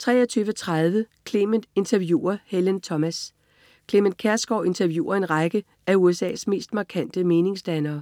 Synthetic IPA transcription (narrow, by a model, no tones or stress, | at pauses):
t͡sʰʁɛ̰ːɐt͡sʰyːʋət͡sʰʁað̞ˠʋəkʰle̝men̥e̝nt͡sʰæɐʋjṵːɐhelənt͡sʰɒ̽mæs | kʰle̝menkʰæɐsɡ̥ɒʊe̝nt͡sʰæɐʋjṵːɐe̝nʁɑɡ̥ə | ʔæuesɛ̰ːsme̝̰ːsd̥mɑ̈kʰæn̰d̥əme̝ːne̝ŋsd̥ænɐː